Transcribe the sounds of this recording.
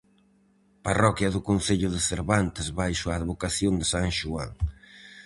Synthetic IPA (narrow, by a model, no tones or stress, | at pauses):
parɔkjɐðʊkonθeʎʊðɪθeɾβant̪ɪzβajʃʊaːðβokaθjond̪ɪsaŋʃua̰ŋ